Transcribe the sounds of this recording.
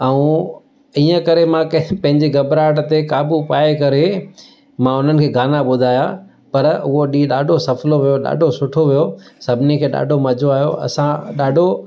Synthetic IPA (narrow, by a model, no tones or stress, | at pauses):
ɐũ | iːə̃kɐɾemãkpɐ̃ɦɪ̃ɲd͡ʑiɡɐbɾaːʈt̪ekaːbupaːekɐɾe | mãʊn̤ənɪ̆kʰeːɡʱaːnaɓʊd̪ʱaːja | pɐɾʊɦoɗiːɗaːɖʱosɐfloʋijoɗa̰ːɖʱosʊʈʰoʋijosɐbʱɪnekʰeːɗa̰ːɖʱomɐd͡ʑʱoaːjo̰ɐ̰sãɗaːɖʱo